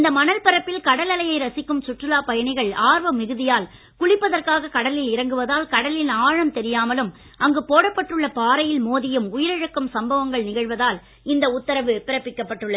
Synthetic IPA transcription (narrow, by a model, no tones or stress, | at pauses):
ɪnd̪ɐmɐnɐlpɐɾɐpːɪlkɐɽɐlɐlɐjɐɪɾɐsɪkːɯmsʊʈrɯlaːpɐjɐɳɪɣɐɭaːɾʋɐmːɪɣɯðɪjaːl | kʊɭɪpːɐðɐrkaːɣɐkɐɽɐlɪlɪɾɐŋɡɯʋɐðaːlkɐɽɐlɪlaːɻɐmt̪ɛɾɪjaːmɐlɯm | ɐŋɡɯpoːɽɐpːɐʈrɯɭːɐpaːɾɐjɪlmoːðɪjɯmʊjɪɾɐɻɐkːɯmsɐmbɐʋɐŋɡɐɭnɪɣɐɻʋɐðaːl | ɪnd̪ɐʊt̪ːɐɾɐʋɯpːɪɾɐpːɪkːɐpːɐʈːɯɭːɐ